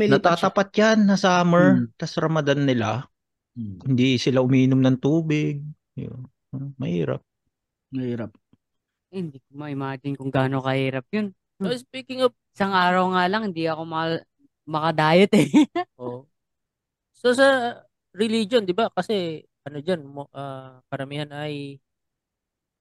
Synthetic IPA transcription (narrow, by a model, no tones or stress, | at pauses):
mnɐt̪aːt̪ɐpat̪̚janːɐsaːmɛɹt̪ɐsɾɐmɐd̪anːɪla | hɪnd̪isɪlaʔʊmiːʔɪnomnɐŋt̪uːbɪɡ̚ | jon | mɐ̰hḭːɾɐ̰p̚ | mɐhiːɾɐp̚ | hɪnd̪ikomɐʔɪmaːd͡ʒɪnkʊŋɡaːno̞kɐhiːɾɐp̚jon | sospiːkɪŋɐp̚ɪsaŋʔaːɾɐwŋalɐŋhɪnd̪iɐko̞mɐ | mɐkɐd̪aːjɐt̪ɛʔo | sosɐ | ɾɪlid͡ʒond̪ɪbakɐsɛ | ʔɐnod͡ʒanmoʔakɐɾɐmihanɐj